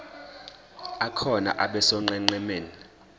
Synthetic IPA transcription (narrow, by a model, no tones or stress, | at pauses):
akʰɔna̰ʔaɓɛsɔŋ͡ǃɛŋ͡ǀɛmeːni